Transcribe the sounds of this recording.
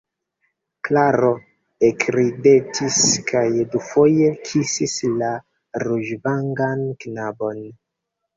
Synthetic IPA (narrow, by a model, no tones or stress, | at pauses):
klaɾo̞ | ekɾide̞tʰiskʰajdufo̞je̞kʰisisla | ɾuʒvaŋɡanknabo̞n